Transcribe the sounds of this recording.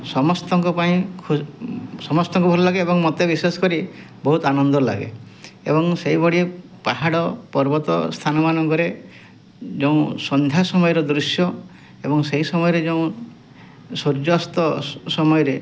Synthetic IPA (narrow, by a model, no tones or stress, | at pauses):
sɔmɔst̪ɔŋkɔpaĩkʰusɔmɔst̪ɔŋkɔbʱɔɾɔlaɡeebɔŋmɔt̪ebisesɔ̥kɔɾi | bɔɦut̪anɔnd̪ɔla̰ɡḛebɔŋseibɔɽi | paɦaɽɔpɔɾbɔt̪ɔ̰st̪ʰanɔmanɔŋkɔɾe | d͡ʒeũsɔnd̪ʱjasɔmɔjɔɾɔd̪ɾusjɔ | ebɔŋseisɔmɔjɔɾed͡ʒeũ | soɾd͡ʒɔst̪ɔsɔmɔjɔɾe